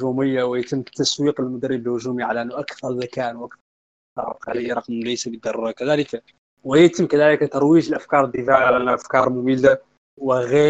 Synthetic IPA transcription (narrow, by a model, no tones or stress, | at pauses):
ʒuməjːawjat̪əmːt̪ːæswiːqəlmʊd̪əɾːəbəlhʊʒumiʕalæʔənːʊʔakθɑɾˤzakænwʔakθɑɾˤ | t̪ɑ̰ɾ̰ˤqaləjɾˤɑqmlæjsabəd̪ːɑɾˤuɾˤɑkæd̪æləka | wəjæt̪əmːkæd̪æləkt̪ɑɾˤwiʒəlʔæfkɑɾˤəd̪ːəfaʕʕʕalæʔnːʔæfkɑɾˤmʊmila | wəɣi